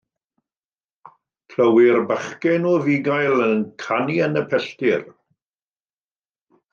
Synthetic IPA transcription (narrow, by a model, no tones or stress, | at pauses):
kʰləwɪrbaχkɛnɔviɡajlənkʰaniənəpʰɛstɪr